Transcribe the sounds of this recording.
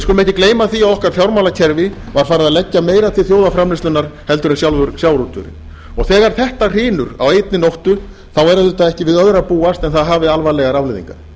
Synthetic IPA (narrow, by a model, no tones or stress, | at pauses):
skɔlmɛhcɪkleːjmaθiawɔhkaɾ̥fjawɾmawlacʰɛɾvɪ | vaɾ̥faːɾɪðaðlɛcːameːjɾat̪ʰɪθjoːwðafɾamlɪst̪ʏnːaɾ̥hɛlt̪ʏɾɪmsjawlvʏɾsjawɾut̪ʏ̰ɾ̰ | ɔɣθɛːɣaɾ̥θɛht̪ar̥ɪːnʏɾa̰wejt̪̚nɪnowht̪ʏ | θawɛɾʏðʏt̪aðɛhcɪvɪðœðɾapuːast̪ɛnθaðɦaːvɪalvalɛɣaɾavlɪðḭŋkaɾ̥